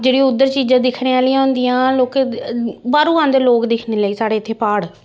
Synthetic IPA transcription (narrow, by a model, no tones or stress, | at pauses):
d͡ʒeːɽiːʊd̪ːəɾt͡ʃiːd͡ʒãːd̪ɪkʰɽẽːaːlːãːnd̪ijãːloːk | baːɾũːãːnd̪eloːkd̪ɪkʰneːləiːsaːɽeːɪt̪ʰːeːpaːɽ